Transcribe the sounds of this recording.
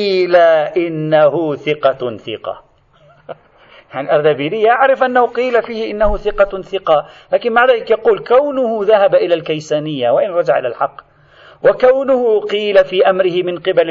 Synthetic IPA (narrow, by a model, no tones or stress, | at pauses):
iːlaʔɪnːaɦʊθɪqɑθɪqɑ̰ | jaʕnɪlʔɑɾˤd̪abiːɾɪjːaʔaʕɾɪfʔanːahʊqiːlafiːhɪʔɪnːahʊθɪqɑθɪqɑlaːkɪnmaʕðaːlɪkjɑquːlkawnʊhʊðahabʔɪlalkajsaːnɪjːawaʔɪnɾˤɑd͡ʒaʕʔɪ̰la̰lħɑqː | wʔakawnʊhʊqiːlafiːʔamɾɪhɪmɪnqɪbal